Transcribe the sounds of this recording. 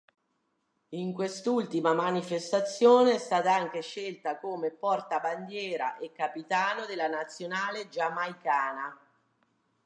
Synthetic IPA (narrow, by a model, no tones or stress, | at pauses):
iŋkwest̪ult̪imamanifest̪at̪sːjoːneɛst̪aːt̪aaŋk̟eʃelt̪akoːmepɔrt̪aband̪jɛːɾa̰ʔekːapit̪aːnod̪elːanat̪sːjonaːled͡ʒamajkaːna